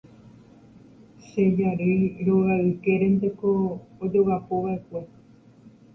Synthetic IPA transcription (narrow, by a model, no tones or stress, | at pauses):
ʃe̞d͡ʒaɾejɾo̞ʋaɨke̞ɾẽ̞nt̪e̞ko̞ːd͡ʒo̞ɣapo̞ʋaʔe̞kʷe̞